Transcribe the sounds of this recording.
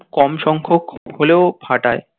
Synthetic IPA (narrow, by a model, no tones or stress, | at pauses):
kɔmʃɔŋkʰokholeobʱaʈae